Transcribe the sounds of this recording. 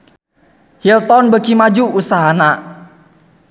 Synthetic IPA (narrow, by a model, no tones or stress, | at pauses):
hilt̪ɔnbəkimad͡ʒuusaɦana